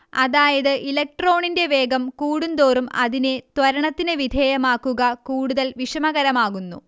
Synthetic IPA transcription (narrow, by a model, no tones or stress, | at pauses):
ɐðaːjɐðɨʔilɐk̚ʈro̞ːɳinde̞ʋe̞ːɡɐmkuːɽund̪o̞ːrumɐðinet̪wʋɐɾɐɳɐt̪ːinɨʋid̪ʱeːjɐmaːkːuɣɐkuːɽuðɐlʋiʂɐmɐɣɐɾɐmaːɣunːṵ